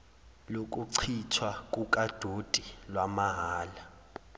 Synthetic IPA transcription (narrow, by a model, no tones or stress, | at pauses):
lok̬ʼuǀʰitʰwakʼukʼad̥ʱotʼilwamaɦaːla